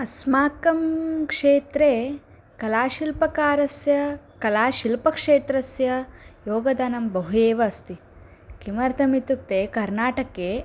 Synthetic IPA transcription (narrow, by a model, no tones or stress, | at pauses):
ɐsmaːkɐmkʂeːt̪ɾeː | kɐlaːʃilpɐkaːɾɐsjɐkɐlaːʃilpɐkʂeːt̪ɾɐsjɐjoːɡɐd̪aːnɐmbɐɦujeːʋɐːst̪i | kimɐɾt̪ʰɐmit̪uk̚t̪eːkɐɾnaːʈɐkeː